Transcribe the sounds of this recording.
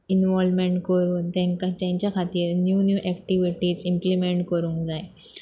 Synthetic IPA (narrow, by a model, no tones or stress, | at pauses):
inʋoːlmeɳʈkoɾud̪eŋkɐt͡ʃeɲt͡ʃɐkʰɐt̪injuːnjuʔekʈiʋiʈisimplimeɳʈkoɾuŋd̪aj